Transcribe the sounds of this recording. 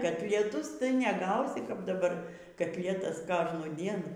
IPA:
kɐtʲlʲiɛˈtʊs tɐɪ nʲɛˈɡɐʊsʲɪ kɐp dɐˈbɐr kɐtʲˈlʲiɛtɐs ˈkoːʒnuːdʲiɛn

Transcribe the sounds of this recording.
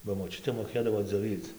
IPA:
bɐ moːˈt͡ʃʲʊtʲeː moːˈkʲeːdɐʋoː d͡zʲoːˈʋʲiːt͡s

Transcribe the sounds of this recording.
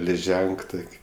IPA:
lʲɪˈʒʲɛŋk ˈtoːkʲ

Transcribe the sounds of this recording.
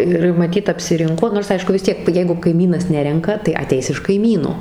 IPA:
ˈɪr mɐˈtʲiːt ɐpʲsʲɪˈrʲɪŋkoː noːrs ˈɐɪʃkʊ ʋʲɪs ˈtʲiɛk ˈjɛɪɡʊ kɐɪˈmʲiːnɐs ˈnʲæːrʲɛŋkɐ tɐɪ ɐˈtʲɛɪs ɪʃ kɐɪˈmʲiːnoː

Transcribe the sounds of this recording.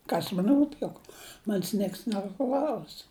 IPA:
ˈkɐs mɐn ˈruːp jʊk ˈmɐnʲsʲ ˈnʲiɛks nʲɛˈklˠɐʊs

